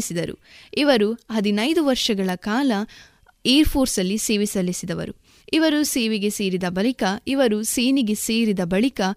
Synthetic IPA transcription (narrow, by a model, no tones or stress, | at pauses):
sid̪ɐɾṵiʋɐɾuɦɐd̪inɐjd̪uʋɐɾʂɐɡɐɭɐkaːlɐ | eɐɾpʰo̞ːɾsɐlːise̞ːʋisɐlisid̪ɐʋɐ̰ɾṵ | iʋɐɾuseːʋeɡe̞se̞ːɾid̪ɐbɐɭikɐiʋɐɾuseːniɡe̞se̞ːɾid̪ɐbɐɭikɐ